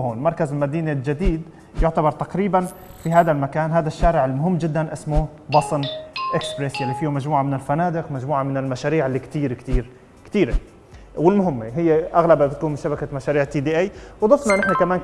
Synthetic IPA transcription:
hoːnmɑɾˤkazɪlmad̪iːneld͡ʒad̪iːd̪ | jʊʕt̪abɑɾˤt̪aqɾiːban | fiɦaːd̪almakaːnɦaːd̪aʃːaːɾɪʕɪlmʊɦɪmːd͡ʒɪd̪ːanʔɪsmʊ | bɑsˤnʔɪkspɾesjalːifiːhumad͡ʒmuːʕamɪnɪlfanaːd̪ɪqmad͡ʒmuːʕamɪnɪlmaʃaːɾiːʕɪlːikt̪iːɾkt̪iːɾ | kt̪iːɾe | wɪlmʊɦɪmːeɦɪjːeʔaɣlababɪt̪̚kuːnmɪʃabakamaʃaːɾiːʕt̪ːiːd̪iːʔeːwd̪ˤɑfnɑʔnɪħnakamaːn

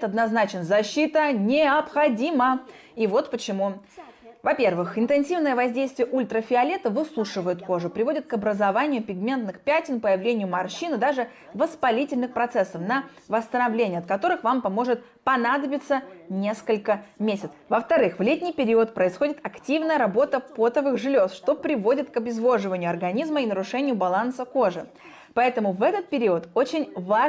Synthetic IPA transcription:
t̪ɐd̪nɐznat͡ɕɪnzɐɕːit̪ənʲɪɐpxɐdʲimə | ivo̞t̪pət͡ɕɪmu | vɐpʲe̞rvɨxɪnt̪ɨnsʲivnəjəvɐzʲdʲejst̪vʲɪjəʔulʲt̪ɾəfʲɪɐlʲet̪əvɨsuʂɨvəjʊt̪ko̞ʐʊpɾʲɪvo̞dʲɪt̪̚kɐbɾəzɐvanʲɪjʊpʲɪɡmʲe̞nt̪nɨxpʲætʲɪnpəjɪvlʲenʲɪjʊmɐrɕinɨd̪aʐɨ | vəspɐlʲitʲɪlʲnɨxpɾɐt̪sɛsːəfnə | vəst̪ənɐvlʲenʲɪjəɐt̪̚kɐt̪o̞ɾɨxvampɐmo̞ʐɨt̪̚ | pɐnad̪əbʲɪt̪sənʲe̞skəlʲkəmʲesʲɪt̪svəft̪ɐɾɨxvlʲet̪ʲnʲɪjpʲɪɾʲiʊət̪̚pɾəɪsxo̞dʲɪt̪ɐktʲivnəjəɾɐbo̞t̪əpo̞t̪əvɨxʐɨlʲosʂt̪o̞pɾʲɪvo̞dʲɪt̪kɐbʲɪzvo̞ʐɨvənʲɪjʊɐrɡɐnʲizməinəɾʊʂɛnʲɪjʊbɐlˠansəko̞ʐɨ | pɐɛt̪əmʊvɛt̪ət̪̚pʲɪɾʲiət̪o̞t͡ɕɪnʲva

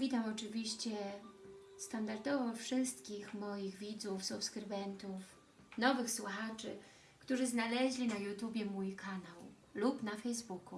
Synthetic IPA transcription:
vʲit̪amɔt͡ʂɘvʲiɕt͡ɕɛ | st̪and̪aɾd̪ɔvɔfʂɘst̪kʲixmɔjiɣvʲid̪zufsupskɾɘbɛnt̪uf | nɔvɘxswuxat͡ʂɘ̰ | kt̪uʐɘznalɛʑlʲinajut̪ubʲjɛmujkʰanaw | lupnafɛjzbuku

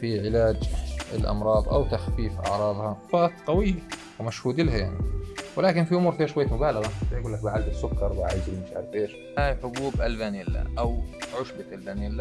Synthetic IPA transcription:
fiʕɪlaːd͡ʒɪ̰lʔɑ̰mɾˤɑːðˤʔa̰wt̪axfiːfʔɑ̰ʕɾˤɑːðˤhɑfaːt̪qɑwɪjːa | wɪmaʃhuːd̪ɪlhajaʕniwɪlaːkɪnfiʔʊmuːɾfeːʃwajːat̪mʊbaːlɑɣɑfajɡuːlːak̚baʕald̪ɪsːʊkːɑɾˤwaʕajɪd͡ʒɾimɪʃʔa̰ɾfeːʃ | haːjħʊbuːbʔalbanɪlːa̰ʔawʕʊʃbaalbaːnilːa

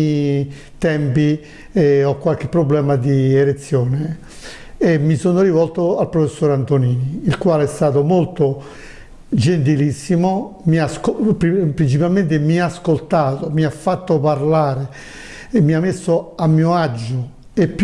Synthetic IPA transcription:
t̪ɛmpi | ɔkːwalk̟epːɾoblɛːmad̪ielet̪sːjɔːne | emːisonoɾivɔlt̪oalpɾofesːoːɾant̪oniːniːlkwaːleɛst̪aːt̪̬omolt̪o | d͡ʒent̪ilisːimomiaskppɾint͡ʃipalment̪̬emiaskolt̪aːt̪omiafːat̪ːopaɾlaːɾe | mːiamːesːoamːiːoad͡ʒːo | epː

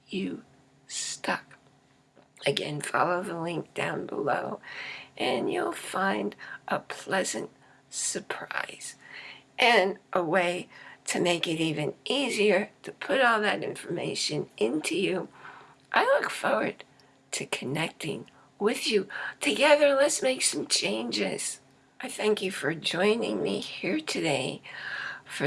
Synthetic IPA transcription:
jɨ | stʌk | ɨɡɛ̰̃nfɑ̰lˠoʊðəlɪ̃ŋk̚d̥ã̰ʊ̃nbə̰lo̰ʊʔɨ̃njṵlˠfãɪ̃ndʔəpʰl̥ɛzɨ̰̃nt̚ | sə˞pʰɹ̥a̰ɪz̥ʔɨ̃nʔəweɪɾɨmeɪkɨɾivɨ̃nʔiziə˞ɾɨpʰʊɾɔlˠðɨɾɪ̰̃ɱfə˞mḛɪʃɨ̃nʔɪ̃ntʰʉjʉ | ʔaɪlʊkfɔɹwə˞d̥̚ | tʰɨkʰɨnɛk̚tɪ̰̃ŋ | wɪðjʉtʰɨɡɛðə˞lɨtsmeɪksʌ̃mt͡ʃʰẽɪ̃nd͡ʒɪ̰z̥ | ʔaɪθæ̃ŋkjɨfə˞d͡ʒɔ̃ɪ̃nɪ̰̃ŋmihiɹtʰɨdeɪ | fə

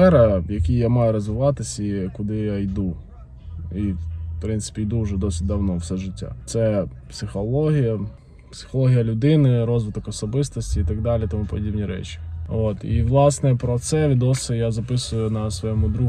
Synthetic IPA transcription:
ɛɾɐjɐkʲijjamɑjʊɾɔzʋɪʋɑt̪ɪsʲikʊd̪ɪjajd̪u | ipɾɪnt̪sɪ̥pʲijd̪uwʒɛd̪ɔsʲɪt̚ʲd̪ɐwnɔwsɛʒɪtʲːa̰t̪sɛpsɪxɔlˠɔɦʲijɐ | psɪ̥xɔlˠɔɦʲijɐlʲʊd̪ɪnɪɾɔzʋɪt̪ɔkɔsɔbɪst̪ɔsʲtʲiːt̪ɐɡ̚d̪ɑlʲit̪ɔmupɔdʲibnʲiɾɛ̰t͡ʃi̥ot̪iʋlˠɑsnɛpɾɔt̪sɛʋʲid̪ɔsʲɪjazɐpɪsʊjʊnɐsʋɔjɛmʊd̪ɾu

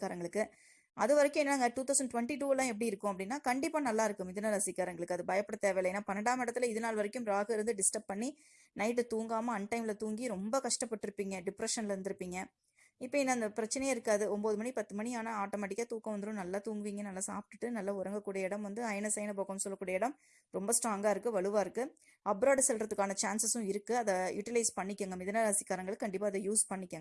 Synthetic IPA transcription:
kːaːɾɐŋɡɐɭɯkːɯ | ʔɐðɯʋɐɾɐkʲːʊ̃mɛnːɐnaːŋɡɐʈuːt̪ɐʊsɐɳɖʈʋɐɳʈiʈuːlãːɛp̬ːɐɽiɪɾɯkːʊ̃ɐpːɐɽɪnːaːkɐɳɖɪpːaːnɐlːaːɪɾɯkːɯmɪðɯnːɐlɐsɪkːaːɾɐŋɡɐɭɯkːɯɐðɯbɐjɐpːɐɽɐt̪eːʋɐjlɐeːnːaːpɐnɐɳɽaːmɪɽɐt̪ːɪlɐɪðɯnaːlʋɐɾɐkːɯ̃mɾaːɣɯɪɾɯnd̪ɯɖɪsʈɐp̚ːɐɳːi | nɐɪʈ̬ːɯt̪uːŋɡaːmɐɐnʈɐɪmɪlɐt̪uːŋɡiɾɔmbɐkɐʂʈɐpːɐʈːɪɾɯpːiːŋɡɐɖɪpɾɐʂɐnlɐɾɯnd̪ɯɾɯpːiːŋɡɐ | ɪpːɐɪnːɐɐnd̪ɐpɪɾɐt͡ʃːɐnɛjɐɪɾɯkːaːðɯɔmboːðɯmɐɳipɐt̪ːɯmɐɳiaːnɐaːʈːoːmɛːʈ̬ɪkːɐt̪uːkɐʋɐnd̪ɯɾʊ̃nɐlːaːt̪uːŋɡɯʋiːŋɡɐnɐlːaːsa̰ːp̚ʈːɯʈːɯnɐlːaʊɾɐŋɡɐkːuːɽɐjɐɪɽɐmʋɐnd̪ɯɐɪnɐsɐjnɐpoːkɐnsɔlːɐkːuːɽɐjɐɪɽɐm | ɾɔmbɐsʈɾaːŋɡaːɪɾɯkːɯʋɐɭɯʋaːɪɾɯkːɯ | ɐpɾaːɖsɛlɾɐðɯkːaːnɐt͡ʃaːnsɐsʊ̃ɪɾɯkːɯɐðɐjʊʈɪlɐɪspɐɳːɪkʲːaŋɡɐmɪðɐnalɐsɪkːaːɾɐŋɡɐɭkɐɳɖɪp̬ːaːɐðɐjuːspɐɳːɪkʲːaŋɡɐɐ

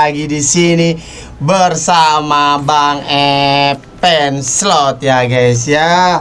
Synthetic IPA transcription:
aɡidisini | bərsamabaŋɛ | pɛnslɔt̪̚jaɡajsja

